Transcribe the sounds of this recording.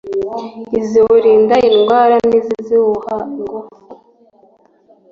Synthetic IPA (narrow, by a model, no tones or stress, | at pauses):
iziwuɾiːndaiŋɡwaːɾaniziziwuhaŋɡo